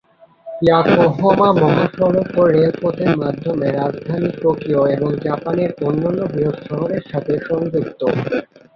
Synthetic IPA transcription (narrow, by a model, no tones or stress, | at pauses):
jakoɦomamɔɦaʃɔɾokːoɾːelpot̪ʰeɾmad̪ʱːomeɾad͡ʑd̪ʱanipɾokɾioeboŋd͡ʑapaneɾonːanːobɾiod̪ʃɔɦoɾeɾʃat̪ʰeʃɔŋd͡ʑok̚t̪o